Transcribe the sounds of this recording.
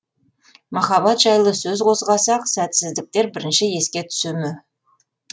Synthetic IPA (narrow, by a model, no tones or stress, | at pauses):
mɑχɑbɑt̪ʒ̥ɑjlˠəsɵzqʰo̞səʁɑsɑqsæt̪sɪzd̪ɪk̚t̪e̞ɾbɪɾɪnʃɪje̞skʲe̞t̪ʰʏ̥symɪ